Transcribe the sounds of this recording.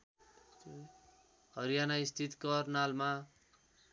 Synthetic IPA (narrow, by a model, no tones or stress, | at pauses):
hʌɾijanaist̪ʰit̪kʌrnalma